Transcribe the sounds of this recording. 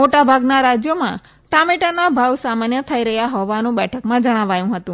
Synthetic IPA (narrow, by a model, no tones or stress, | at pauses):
moʈabʱaɡnaɾad͡ʒjomã̰ | ʈamiʈanabʱawsamanjət̪ʰaiɾəɦjaɦɔʋanũbɛʈʰəkmãd͡ʒəɽ̃aʋajũɦət̪ũ